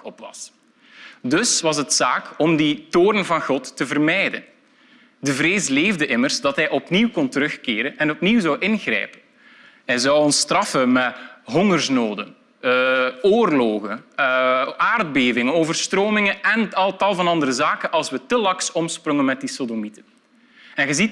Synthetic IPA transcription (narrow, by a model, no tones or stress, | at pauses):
ɔpʋɑ̰s | dɵsʋɑsətsaːkɔmditoːɾənvɑnɣɔtːəvərmɛjdən | dəvɾeːsleːvdəʔɪmərzdɑtɦɛjʔɔpniwkɔntəɾɵxkeːɾənɛnɔpniwzɑwʔɪnɣrɛ̰jpən | ɦɛjzɑwɔnstrɑfəmɛɦɔŋərsnoːdən | oːrloːɣən | aːrd̚beːvɪŋənoːvərstroːmɪŋənɛnətaːltɑlˠvɑnɑndəɾəzaːkənʔɑlˠswətəlɑksɔmsprɔŋənmɛt̚disodomitən | ɛnɣəzit